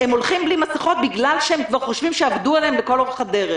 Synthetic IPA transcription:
hemo̞lχimblimasiχo̞t̪̚biɡlalʃeemkvaʁχoʃvimʃeavd̪uelembeko̞loχad̪eʁe

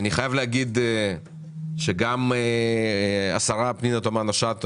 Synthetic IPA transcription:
aniχajavleaɡid̪e | ʃeɡame | a̰saʁapninot̪omanaʃat̪

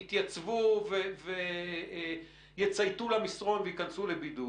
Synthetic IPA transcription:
it̪jat͡svuveve | jet͡sajt̪ulamisʁo̞nveitkansulebid̪u

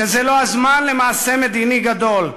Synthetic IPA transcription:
ezɛloazmanlemaːsemed̪iːniɡad̪ol

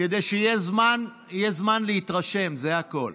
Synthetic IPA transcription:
ked̪ejʃeijezman | ijezmanlehit̪ʁaʃe̞mzeako̞l

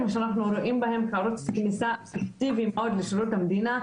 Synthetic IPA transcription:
mʔaʃænːaħnuɾˤuːʔiːmbɪhɪmxɑɾˤuːt̪knɪsaːʔekt̪iːvjɪmʔawɪd̪lɪʃʊɾuːt̪almad̪iːna

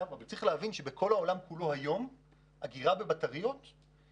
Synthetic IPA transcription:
amavet͡sʁiχleavinʃebekʰo̞lao̞lamkulohajo̞m | aɡiʁabebataʁijot̪

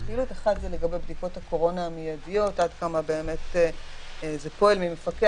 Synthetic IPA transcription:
kiluteχadzele̞ɡabe̞jbdiko̞thako̞ʁo̞naːmijadijo̞tʔadkamabe̞ːme̞t | zepo̞elmimefake

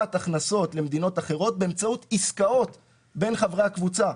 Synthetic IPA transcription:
at̪aχnaso̞tle̞md̪ino̞taχe̞ʁo̞t̚be̞emt͡saut̪iskao̞t̪ | be̞nχavʁehakvut͡sa

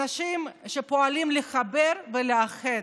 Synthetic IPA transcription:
aʃimʃepo̞alimleχabeɾveleaχe

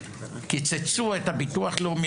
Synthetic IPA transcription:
kit͡set͡suaet̪apit̪uwaχlomi

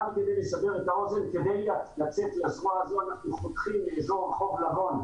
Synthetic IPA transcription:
alked̪ejlesabe̞ʁet̪ao̞ze̞nke̞d̪e̞jlalat͡set̪leasʁoaazoanaχnuχotχimleːzo̞ʁeχo̞vlaɦo̞n

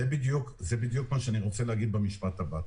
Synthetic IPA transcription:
ebid̪jukzebid̪jukmaʃeaniʁo̞t͡seleaɡid̪̚bemiʃpat̪abat

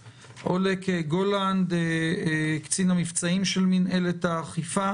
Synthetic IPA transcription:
ʔo̞lekeɡoland̪e | kt͡sinamift͡saimʃelminelet̪aːχifa

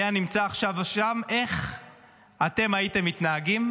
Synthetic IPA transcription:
janimt͡saːχʃavaʃame̞χ | ate̞maite̞mːitnaaɡim

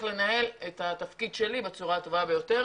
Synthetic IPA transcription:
le̞naɦe̞letat̪afkidʃe̞libet͡suʁato̞vabe̞jo̞t̪e̞ʁ

